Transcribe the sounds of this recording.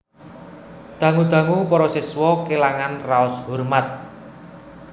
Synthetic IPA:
d̪̥a̤ŋud̪̥ä̤ŋupɔɾɔseswɔkelaŋanraʊshurmat̪̚

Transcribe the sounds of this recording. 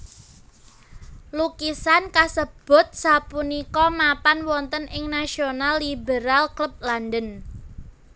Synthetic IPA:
lukisankasəb̥ʊ̤t̪̚sapunikɔmapanwɔnt̪ənɪŋnasionalːibeɾalkləp̚landən

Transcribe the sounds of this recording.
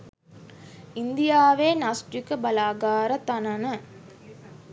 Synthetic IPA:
ind̪ijaːʋeːnasʈikəbɐlaːɡaːɾət̪ɐnɐnə

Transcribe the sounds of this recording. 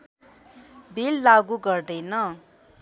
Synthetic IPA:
bilːaɡuɡʌrd̪ʌjnʌ

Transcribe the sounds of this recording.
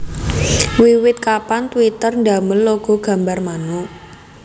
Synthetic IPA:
wiwɪt̪̚kapant̪wit̪ərnd̪a̤məlːoɡ̥ɔ̤ɡ̥a̤mbarmanu

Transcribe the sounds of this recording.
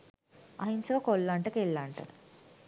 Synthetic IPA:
ɐ̰ɦinsɐʋɐkolːaɳʈəkelːaɳʈə̰

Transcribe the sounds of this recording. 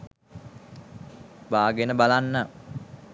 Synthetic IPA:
baːɡenəbalanːa

